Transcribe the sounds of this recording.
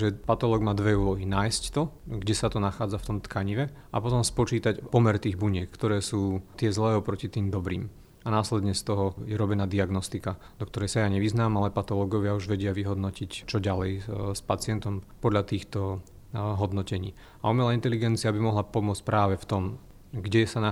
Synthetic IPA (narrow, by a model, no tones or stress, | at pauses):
ʒɛpat̪ɔlɔːɡmaːd̪ʋɛuːlɔɦinaːjsct̪ɔɡɟɛsat̪ɔnaxaːd͡zaft̪ɔmt̪kʰaɲiʋɛ | a̰pɔt̪ɔmspɔt͡ʃiːt̪acpɔmɛɾt̪iːɣbuɲɛkkt̪ɔɾɛːsuːt̪ɪɛzlɛːɔpɾɔcit̪iːmd̪ɔbɾḭːm | anaːslɛd̪ɲɛst̪ɔɦɔjɛɾɔbɛnaːd̪iaɡnɔst̪ika | d̪ɔkt̪ɔɾɛjsajaːɲɛʋiznaːmalɛpat̪ɔlɔɡɔʋɪauʒʋɛɟɪaʋiɦɔd̪nɔcict͡ʃɔɟalɛjspat͡sɪɛnt̪ɔmpɔd̪ʎat̪iːxt̪ɔ | ɦɔd̪nɔcɛɲiː | aumɛlaint̪ɛliɡɛnt͡siabimɔɦlapɔmʊɔt͡sc̚ʲpɾaːʋɛft̪ɔm | ɡɟɛsana